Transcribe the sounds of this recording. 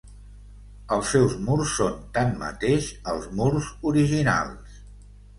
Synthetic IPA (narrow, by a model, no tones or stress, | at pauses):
əlˠsːɛwzmuɾsːont̪anmə̰t̪eʃəlˠzmuɾzuɾiʒina̰lˠs